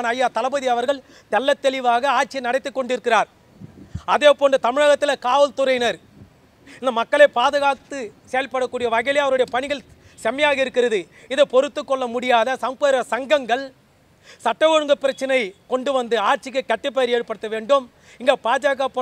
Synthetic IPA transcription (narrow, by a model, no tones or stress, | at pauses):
nɐjːaːt̪ɐlɐbɐðiɐʋɐɾɣɐɭ | t̪ɛlːɐt̪ːɛlɪʋaːɣɐaːʈt͡ʃːinɐɽɐɪt̪ːɯkːɔɳɖɪɾɯkːɪraːɾ | ɐðeːpoːɳdrɯt̪ɐmɪɻɐɣɐt̪ːɪlɐkaːʋɐlt̪ʊɾɐɪnɐɾ | ɪnd̪ɐmɐkːɐɭeːpaːðɯɣaːt̪ɯseːjɐlpːɐɽɐkːuːɽɪjɐʋɐɣɐɪlɐɐʋɐɾɯɽɐjɐpɐɳɪɣɐɭ | sɛmɐjaːɣɐɪɾɯkːɪrɐðɯ | ɪðɯpɔɾɯt̪ːɯkːɔɭːɐmʊɽɪjaːðɐsɐmpɐɾɐsɐŋɡɐŋɡɐɭ | sɐʈːɐʋɔɻɯŋɡɐpːɪɾɐt͡ʃːɐnɐɪkɔɳɖɯʋɐnd̪ɯaːɾt͡ʃːɪkːɯkːɐʈːɯp̬ːɐjɐɾeːɽɯpːɐɽɯt̪ːɐʋeːɳɖɯm | ɪŋɡeːpaːd͡ʒaːɣɐpɐ